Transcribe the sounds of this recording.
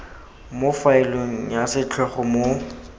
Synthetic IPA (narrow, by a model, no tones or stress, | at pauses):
mʊfaɪloasɪt͡ɬʰɛχɔmo